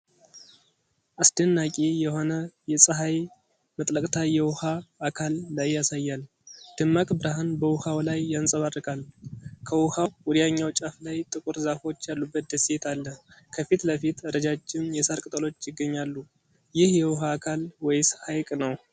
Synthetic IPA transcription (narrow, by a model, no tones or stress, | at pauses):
ʔasd̪ənːakʼijɛho̞nəjɛsʼəɦaj | mət̪ʼləkʼt̪ʰajɛwʊhaːkʰalːajːasajːal | d̪̥ɨmːakʼbɨɾaɦanbəwʊhawlajːansʼəβarːɨkʼalkʰəwʊhawwɔd̪ijaɲːawt͡ʃʼaflajt̪ʼɨkʼuɾzafo̞t͡ʃːjalːubːət̪̚d̪əset̪ʰalːəkʰəfit̪ləfit̪əɾəd͡ʒat͡ʃːɪmjɛsaɾkʼɨt̪ʼəlo̞t͡ʃːjɪɡːəɲːalːu | jɪhjɛwʊɦaːkʰalwɔjshajkʼnəw